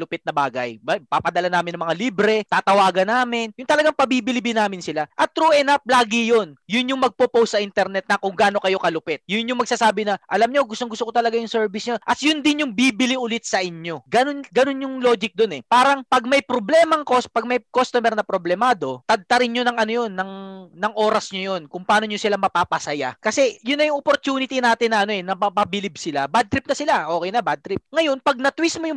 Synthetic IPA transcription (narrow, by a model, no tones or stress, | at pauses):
lʊpɪt̪̚nɐbaːɡɐjbapaːpɐd̪ɐlanaːmɪnːɐŋmɐŋaliːbɾɛt̪aːt̪ɐwaːɡɐnaːmɪnjʊŋt̪ɐlɐɡaŋpɐbiːbɪlɪbɪnaːmɪnsɪlaʔɐt̪ːɾuːʔɛnap̚laːɡɪjonjʊnjʊŋmɐɡ̚popowst̪ːsɐʔint̪ɛɾnɛt̪̚nɐkʊŋɡaːno̞kɐjo̞kɐlʊpɛt̪̚jʊnjʊŋmɐɡ̚saːsaːbɪnɐʔɐlɐmɲo̞ɡʊst̪oŋɡʊst̪okot̪ɐlɐɡajʊŋsɛɹbɪsɲoʔɐt̪̚jʊnd̪ɪnjʊŋbiːbɪliʔʊlɪt̪̚sɐʔɪɲo̞ɡɐnonɡɐno̞njʊŋlo̞ːɡɪk̚d̪onɛpaːɾɐŋpɐɡ̚mɐjpɾoblɛːmɐŋkospɐɡ̚mɐjkost̪omɛɾnɐpɾoblɛmaːd̪o̞t̪ɐd̪̚t̪ɐɾɪnɲonɐŋɐnojo̞nːɐŋnɐŋʔo̞ːɾɐsɲojonkʊŋpɐaːnoɲosɪlamɐpaːpɐsɐja̰kɐsɛjʊnːɐjʊŋʔopoɾt̪uːnɪt̪inaːt̪ɪnːɐʔɐno̞ɛnɐmɐpɐbɪlɪb̚sɪlabad̪̚ɾɪp̚nɐsɪlaʔo̞ːkɛjnɐbad̪̚t̪ɾɪp̚ŋɐjo̞npɐɡ̚nɐt̪wismojʊŋ